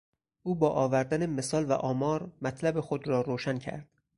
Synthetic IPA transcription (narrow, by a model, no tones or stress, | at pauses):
ʔuːbɒːʔɒːvæɾd̪æneme̞sɒːlvæ̰ʔɒːmɒːɾmæt̪ʰlæbe̞xo̞d̪ɾɒːɾoːʃæncʰæ̰ɾd̪̥